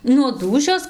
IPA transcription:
nuɔ ˈduːʃʲoːs

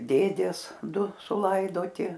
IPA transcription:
ˈdʲeːdʲeːs ˈdʊ sʊˈlˠɐɪdoːtʲɪ

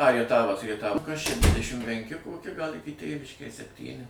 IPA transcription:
ɐ rʲiɛˈtɑːʋɐs rʲiɛˈtɑːʋɐ kɐs t͡ʃʲɛ ˈdʲʋʲɪdʲɛʃʲɪm pʲɛŋʲˈkʲɪ koːˈkʲɪ ɡɐlˠ ˈɪkʲɪ ˈtʲeːʋʲɪʃʲkʲeːs sʲɛpʲˈtʲiːnʲɪ

